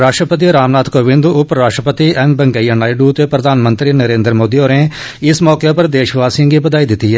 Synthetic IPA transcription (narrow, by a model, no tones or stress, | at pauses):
ɾaːʃʈɾəpət̪̬iɾaːmnaːt̪koːʋɪ̃nd̪ʊpɾaːʃʈɾəpət̪iɛːmbəŋɡəijanaːɪɖuːt̪eːpɾəd̪ʱaːnmə̃nt̪ɾiːnəɾẽːnd̪əɾmoːd̪ioːɾẽ | ɪsmɔːkepəɾd̪eːʃʋaːsĩɡibəd̪aːiːd̪ɪt̪ːiɦɛː